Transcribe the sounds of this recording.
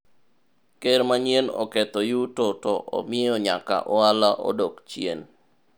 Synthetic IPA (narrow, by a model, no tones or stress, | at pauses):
keɾmaɲenɔ̰kɛt̪ɔjutotɔʔɔ̰mɪɔɲaka̰ʔɔalaʔo̰dokt͡ʃjḛn